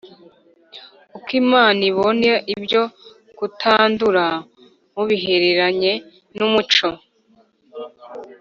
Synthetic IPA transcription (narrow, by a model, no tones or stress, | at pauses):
ukimaːniβo̞neʔibjo̞ | kutʰaːnduɾa | muβiɦe̞ɾeɾaɲe̞ | numut͡ʃo̞